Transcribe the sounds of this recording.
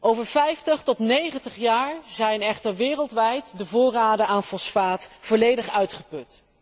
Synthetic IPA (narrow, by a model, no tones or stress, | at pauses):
ʔowvəɹfɛjftəχtɔtnejχəntəχjaːɹzɛjnɛχtəɹʋɪːrəlˠtʋɛjtdəvʊːraːdəaːnfɔsfaːtfɔːɹlejdəχœɥtχəpɵt